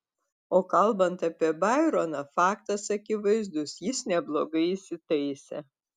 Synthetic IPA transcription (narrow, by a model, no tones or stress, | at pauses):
oːkɐlˠbɐnt̪ɐpʲiɛbɑɪɾonɐfɑːkt̪ɐsɐkʲɪʋɐɪzd̪ʊsjɪsnʲɛblˠo̰ːɡɐɪisʲɪt̪ɐɪsʲɛ̰